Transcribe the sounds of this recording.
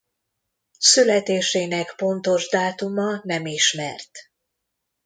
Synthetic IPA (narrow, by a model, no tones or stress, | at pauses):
sylɛt̪eːʃeːnɛkpo̞nt̪o̞ʒd̪aːt̪umɒnɛmiʃmɛ̰rt̪